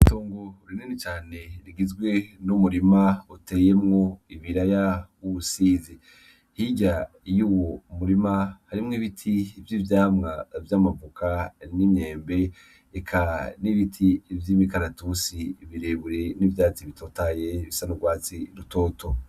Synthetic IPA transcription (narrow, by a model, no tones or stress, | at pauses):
ituːŋɡoɾinenit͡ʃaːne̞ɾiɡizɡwe̞numuɾimaute̞ːje̞mŋo̞iβiɾajauβusiːzi | hiɟa | juwomuɾimahaɾimŋiβitʰivjivjaːmŋavjaːmavukʰanimɲe̞ːmbe̞ː | kʰaniβitʰivjimikaɾatusiβiɾeβuɾenivjaːt͡siβitʰotaje̞βisanuɡwaːt͡siɾuto̞ːtʰo